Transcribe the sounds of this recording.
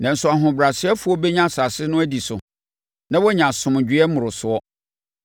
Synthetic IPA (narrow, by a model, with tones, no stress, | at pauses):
nã˨n̩˨sʊ˨a˨ɦʊ̃˨bɾa˨sɪ˦ɛ˦fʊ˨˦ɔ˦bɛ˦ɲã˦˨sa˨sɪ˦nʊ̃˦æ˦di˨sʊ̰˨ | nã˦wɔ˦ɲã˨sʊ̃˨m˨d͡ʑᶣɪ˦ɛ˦mʊ̃˨ɾʊ˨sʊ˨ɔ˦